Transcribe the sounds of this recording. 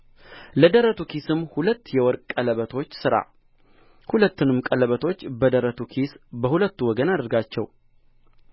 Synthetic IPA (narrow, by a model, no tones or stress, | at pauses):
ləd̪əɾət̪ʰukisɨmːhulət̪ːjɛwɔɾkʼkʼːələβət̪ʰo̞t͡ʃːsɨɾa̰ | hulət̪ːɨnɨmkʼələβət̪ʰo̞t͡ʃːbəd̪əɾət̪ʰukʰisbəhulət̪ːuwɔɡənad̪əɾɡat͡ʃːɛ̰w